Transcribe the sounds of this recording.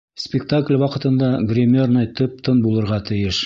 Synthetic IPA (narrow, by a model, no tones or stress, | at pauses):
spʲɪkt̪aklʲwɑqɤ̆t̪ɤ̆nd̪ɑɡrʲɪmʲornɑjt̪ɵp̚t̪ɤnbulˠɤ̆ɾʁɑt̪ɘ̆jɘʃ